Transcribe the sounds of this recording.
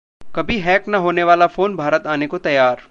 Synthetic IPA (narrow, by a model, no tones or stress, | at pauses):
kɐbʱiɦɛːknɐɦoːneʋaːlafoːnbʱaːɾət̪aːnekot̪ɐjaːɾ